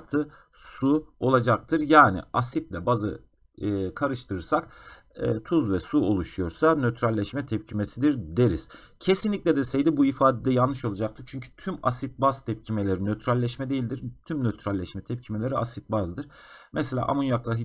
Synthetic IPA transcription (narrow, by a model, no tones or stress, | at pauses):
k̚t̪ʰɯ | suo̞lˠad͡ʒak̚t̪ʰɯɾjaːnḭasit̪̚lʲɛbazɯ | kʰaɾɯʃt̪ʰɯɾɯɾsak | ɛːt̪ʰuzvɛsuo̞lˠuʃujo̞ɾsanøt̪ʰɾalʲːɛʃmɛt̪ʰɛp̚cʰimesid̪iɾd̪e̞ɾiz̥ | cʰe̞sinlʲicʲlʲɛd̪ɛsejd̪ibuifaːd̪ed̪ɛjanːɯʃo̞lˠad͡ʒak̚t̪ʰɯɾt͡ʃʰyɲcʰy̥t̪ʰyma̰sit̪̚bazt̪ʰɛp̚cʰimelʲeɾinøt̪ʰɾalʲːɛʃmɛd̪e̞jilʲd̪iɾt̪ʰymnøt̪ʰɾalʲːɛʃmɛt̪ʰɛp̚cʰime̞lʲe̞ɾiasit̪̚bazd̪ɯɾ̥mɛselʲa̰ːʔa̰munjaklˠaɦi